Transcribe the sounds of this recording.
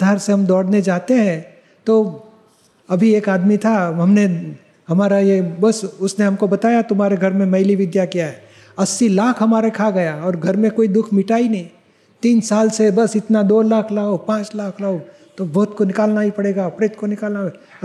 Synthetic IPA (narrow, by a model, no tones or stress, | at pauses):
d̪ʱaːɾseɦɐmd̪ɔːɽned͡ʒaːt̪eɦɛ̃ | t̪o | ɐbʱieːkaːd̪mit̪ʰaɦɐmne | ɦɐmaːɾajebɐsʊsneɦɐmkobɐt̪aːjat̪ʊmaːɾeɡʱɐɾmẽmɐɪliʋɪd̪jakijaɦɛ | ɐsːilaːkʰɦɐmaːɾekʰaɡɐjaɔːɾɡʱɐɾmẽkoːid̪ʊkʰmɪʈaːinɐɦĩ | t̪iːnsaːlsebɐsɪt̪nad̪oːlaːkʰlɐpãːt͡ʃlaːkʰlɐo | t̪obɔːʊt̪konɪkaːlnaipɐɽeːɡaɐpɽeːt̪konɪkaːlna